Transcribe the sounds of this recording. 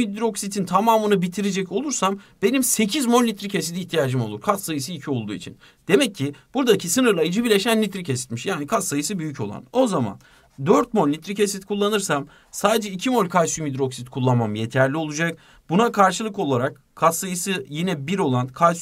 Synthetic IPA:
id̪ɾo̞ksit̪ʰint̪ʰamaːmɯnɯbit̪ʰiɾed͡ʒɛco̞lˠuɾsamb̥e̞nimse̞cʰizmo̞lːʲit̪ɾicʰes̬id̪iːçt̪ʰijaːd͡ʒɯmo̞lˠuɾkʰassajɯsɯicʰio̞lˠd̪ṵːḭt͡ʃʰḭn | d̪̥e̞mɛcʰːib̥uɾd̪acʰisɯnɯɾlˠajid͡ʒɯbiɾlʲe̞ʃænːʲit̪ɾicʰesi̥t̪miʃjaːnikʰasajɯsɯbyjyco̞lˠa̰no̞zama̰n | d̪øɾt̪̚mo̞lːʲit̪ɾicesit̪kʰulˠːanɯɾsam | saːd̪ed͡ʒɛicʰimo̞lʲkʰajsumid̪ɾo̞ksit̪kʰulˠːamamje̞t̪ʰæɾlʲio̞lˠud͡ʒak | bunakʰaɾʃɯlˠɯko̞lˠaɾak̚ | kʰːasajɯsɯjinɛbiɾo̞lˠankʰajs

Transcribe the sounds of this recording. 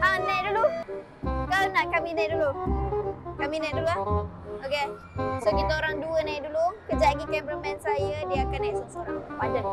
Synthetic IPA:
anãjʔdulu | kawnaʔkaminãʔdulu | kaminãʔdulua | oke | sokit̪aoɾaŋduənajʔdulukəd͡ʒaɡikɛmbɾəmɛnsajədiakanajsəŋsəɾaŋpad͡ʒa

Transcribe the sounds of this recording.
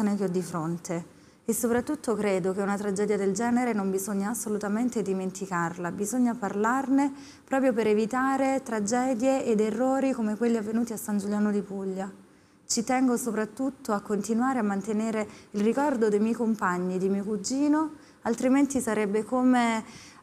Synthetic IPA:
anek̟eɔd̪ːifɾont̪ʰe | esːopɾat̪ːut̪ːokɾeːd̪okeunat̪ɾad͡ʒɛːd̪jad̪eld͡ʒɛːneɾenombizoɲːaːsːolut̪ament̪ed̪iment̪ikarlabizoɲːaparlarne | pɾɔːp̬ɾjopeɾevit̪aːɾet̪ɾad͡ʒɛːd̪jeːd̪erːoːɾikomekwelːiavːenuːt̪iasːand͡ʒuljaːnod̪ipuʎːa | t͡ʃit̪ɛŋɡosopɾat̪ːut̪ːoakːont̪inwaːɾeamːant̪eneːɾeilrikɔrd̪od̪ejmjɛjkompaɲːid̪imiokud͡ʒːiːno | alt̪ɾiment̪isaɾɛbːekoːme

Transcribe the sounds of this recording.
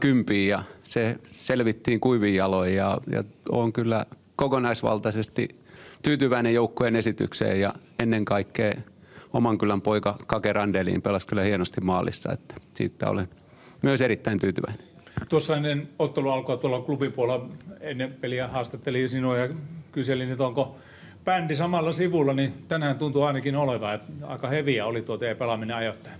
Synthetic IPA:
kympiːjɑseselʋit̪ːiːŋkuiʋijjɑloijɑjɑ̰oːŋkylːæ | kokonɑisʋɑ̰lt̪ɑsest̪ḭ | t̪yːt̪yʋæinejjoukːuenesit̪y̰ksḛːjɑ̰enːeŋkɑikːeː | omɑŋkylˑæmpoikɑkɑkerɑndelḭːmpelɑskylːˑæhienost̪immɑːlḭsːɑ̰ḛt̪ːæ̥sḭːt̪ːæ̰o̰len | myøserit̪ːæint̪yːt̪yʋæine | t̪uosːɑenːenot̪ːeluɑlkoɑt̪uolːɑklubimpuolɑenːepeliæhɑːst̪ɑt̪ːelisinuːjɑkyselinyt̪oŋko | pænd̥̪isɑmɑlːɑsiʋulːɑnit̪ænæːnt̪unt̪uɑinɑkinoleʋɑet̪ɑ̰ikɑheʋiæolit̪uot̪epelɑmineɑjot̪ːɑ̥

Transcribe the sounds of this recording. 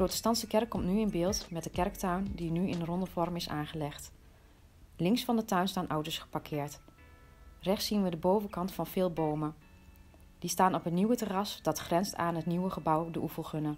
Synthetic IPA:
dəprowtəstɑntsəkɛrkːɔmtnyɪnbɪːlˠtmɛt̚dəkɛrk̚tœɥndinyɪnrɔndəvɔrmɪsaːχəlɛχt | lɪŋsfɑndətœɥnstaːnʔɔwtəɹsχə̥pɑɹkʰɪːɹt | rɛχtsːinʋədəbowvəkɑntfɑnv̥ɪːlˠbowmə | d̥istaːnɔpɦətniwətərɑsd̥ɑtχrɛnstaːnɦətniwəχəbɑwdəʔufəlˠχɵnə

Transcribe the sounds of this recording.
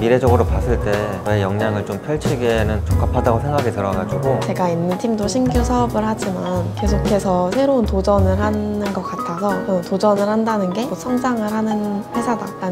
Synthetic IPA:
miɾe̞d͡ʑʌɡɯɾopas͈ʰɯɭt͈e̞we̞jʌŋɲaŋɯɭt͡ɕompʰjʌɭt͡ɕʰiɡenɯnt͡ɕok͈apʰadaɡosʰe̞ŋɡaɡitɯɾʌɡad͡ʑuɡot͡ɕe̞ɡainːɯntʰimdoɕʰinɡjusʰʌbɯɭhad͡ʑimanke̞sʰokʰe̞sʰʌsʰe̞ɾountod͡ʑʌnɯɭhanɯnɡʌk͈atʰasʰʌʌntod͡ʑʌnɯɭhandanɯnɡe̞musʰʌŋd͡ʑaŋɯɭɦanɯnɸe̞sʰadaɾa

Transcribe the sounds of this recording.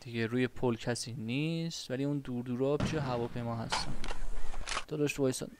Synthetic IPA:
d̪̥iɡeɾuːje̞pʰolcʰæsiːniːst̪væliund̪uːɾd̪uːɾɒːpʰiʃeɦævɒːpʰe̞jmɒːɦæ̰st̪æ̰nd̪ | d̪̥ɒd̪ɒːʃt̪vɒːjsɒ̰n

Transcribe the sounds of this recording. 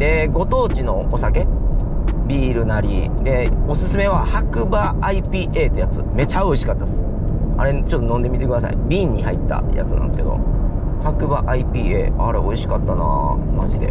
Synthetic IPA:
d̪e̞ɡo̞t̪o̞ːt͡ɕino̞osake̞ | bʲiːɾɯ̟naɾʲḭd̪e̞o̞sɨsɨme̞β̞ahakɯ̟baːipʲiːʔe̞ːt̪ːejat͡sɨ̰me̞t͡ɕao̞iɕi̥kat̪ːasɨ̥ | a̰ɾe̞t͡ɕo̞t̪ːo̞nõ̞nd̪e̞mʲit̪e̞kɯd̪asa̰ḭbʲĩːɲ̟ːihait̪ːa̰ja̰t͡sɨnã̰nsɨ̥ke̞d̪o̞̰ | hakɯ̟baʔaipʲiːe̞̰ːaɾe̞o̞iɕi̥kat̪ːana̰maʑid̪e̞̰

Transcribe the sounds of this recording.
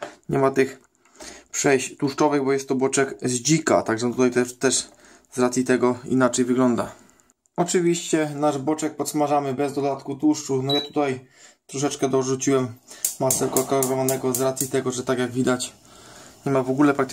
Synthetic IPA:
ɲɛmat̪ɘx | pʂɛjɕt̪uʂt͡ʂɔvɘɣbɔjɛst̪ːɔbɔt͡ʂɛkzd͡ʑika̰t̪aɡʐɛt̪ut̪ajt̪ɛt̪ɛʂ | zɾat̪sʲjit̪ɛɡɔḭnat͡ʂɛjvɘɡlɔnd̪a | ɔt͡ʂɘvʲiɕt͡ɕɛnaʐbɔt͡ʂɛk̚pɔt̪smaʐamɘbɛzd̪ɔd̪at̪kut̪uʂt͡ʂufnɔjat̪ut̪aj | t̪ɾɔʂ̬ɛt͡ʂkɛd̪ɔʐut͡ɕiwɛmmasɛkɔkalɾɔvanɛɡɔzɾat̪sʲjit̪ɛɡɔʐɛt̪aɡjaɡvʲid̪at͡ɕ | ɲɛmavɔɡulɛpɾak̚t̪

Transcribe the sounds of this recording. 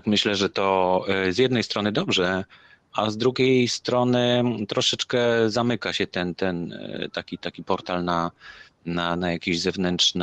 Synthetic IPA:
t̪kmɘɕlɛʐɛt̪ɔzjɛd̪nɛjst̪ɾɔnɘd̪ɔbʐɛ | azd̪ɾuɡʲejst̪ɾɔnɘt̪ɾɔʂɛt͡ʂkɛzamɘkaɕɛt̪ɛnt̪ɛnt̪akʲit̪akʲipɔɾt̪alna | nanajakʲeʑzɛvnɛntʂn

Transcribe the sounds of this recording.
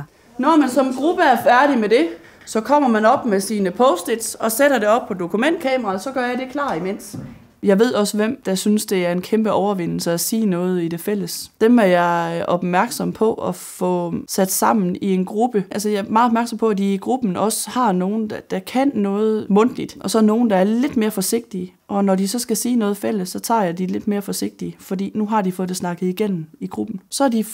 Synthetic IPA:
nɒmænsɒ̽mɡ̥ʁub̥əæɐfæɐɾ̥imed̥e̝ | sɒ̽kʰɒ̽m̰ɐmænɒ̽b̥mesiːnəpʰɔʊsd̥ed̥sɒ̽seɾ̥ɐde̝ɒ̽b̥̚pʰɒ̽d̥o̝kʰumen̰d̥̚kʰɛːmɐʁɑsɒ̽ɡ̥ɶɐjɑ̈ɪde̝kʰlɑ̰̈ːd̥imen̰s | jɑ̈ɪʋe̝ð̞̰ˠɒ̽səʋem̰d̥æsynsd̥e̝æɐe̝nkʰemb̥əʔɒʊɐʋe̝n̰l̩səæsiːnɔ̽ːð̞̩ˠid̥e̝fel̰əsd̥emæɐjɑ̈ɪʔɒ̽b̥mæɐɡ̥sɒ̽mpʰɒ̽ʔɒfɔsæd̥sɑ̈m̰n̩ie̝nɡ̥ʁub̥əʔælsəjɑ̈æɐmɑ̈ːð̩ˠɒb̥̚mæɐɡ̥sɒ̽mpʰɒ̽æd̥iːɡ̥ʁub̥n̩ɒ̽shɑ̈no̝ːn̩d̥æd̥ɑ̈kʰænːɔ̽ːð̞̩ˠmɔ̽n̰d̥lid̥ʔɒ̽sɒno̝ːn̩d̥ɑ̈æɐle̝d̥me̝ːɐfɒ̽se̝ɡ̥̚d̥i | ʔɒ̽nɒd̥isɒ̽sɡ̥æsiːnɔ̽ːð̞̩ˠfel̰əsːɒ̽t͡sʰɑ̰̈ːjɑ̈ɪd̥ile̝d̥me̝ːɐfɒ̽se̝ɡ̥̚d̥iəfɒ̽d̥ḭːnuɦɑ̈d̥ifɔ̽ːð̩ˠsnɑ̈ɡ̥əð̩ˠiɡ̥en̰m̩iɡ̥ʁub̥n̩sɒ̽æɐd̥i

